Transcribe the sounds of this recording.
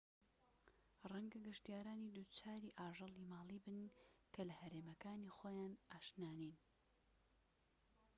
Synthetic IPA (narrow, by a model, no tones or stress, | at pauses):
rɛŋɡɐɡɨʃt̪ijaːɾaːnid̪ut͡ʃʰaːɾiːʔaːʒɨlˠimaːlˠiːbɨnkʰɐlɐhɐɾeːmɐkaːnixoːjaːnʔaːʃnaːnin